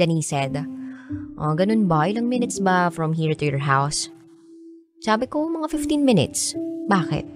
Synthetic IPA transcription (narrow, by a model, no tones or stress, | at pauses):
ɐnisɛd̪ | ʔo̰ɡɐnonbɐjɪlɐŋmɪnɪt̪sbɐfɹɔmɦiːɹt̪ʊjɔɹɦaws | saːbɪkomɐŋafɪft̪ĩnmɪnɪ̰t̪sbaːkɛ̰t̪̚